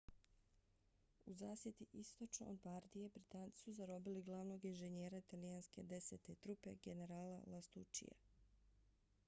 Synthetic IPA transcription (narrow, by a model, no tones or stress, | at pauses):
uzaːsje̞t̪iʔist̪o̞t͡ʃno̰od̪baɾd̪ije̞bɾit̪aːnt̪i̥suzaɾo̞biliɡlˠaʋno̞ːɡinʒeɲeːɾait̪alijanske̞d̪e̞se̞t̪et̪ɾupe̞ɡe̞ne̞ɾaːlalast̪ut͡ʃḭjḛ